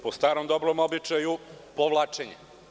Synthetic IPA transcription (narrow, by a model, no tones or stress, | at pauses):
post̪aːɾomd̪o̞bɾomobit͡ʃaju | poʋlˠaːt͡ʃeɲḛ